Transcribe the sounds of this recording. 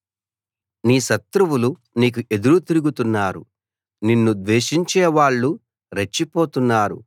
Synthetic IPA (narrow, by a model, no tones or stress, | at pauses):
niːʃɐt̪ɾuwulu | niːk̬uʔe̞d̪uɾut̪iɾuɡut̪unːaːɾṵ | ninːud̪ʋeːʂiɲt͡ʃɛːʋaːɭːu | ɾet͡ʃːipo̞ːt̪unːaːɾṵ